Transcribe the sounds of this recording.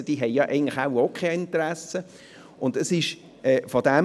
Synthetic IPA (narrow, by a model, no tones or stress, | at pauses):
əd̥iːɦɛɪjɑʔæ̰ɪɡən̩tlɪχaʊokχeɪntəɾæsə | ʊndəsɪʃ | ʔɛfɔdæm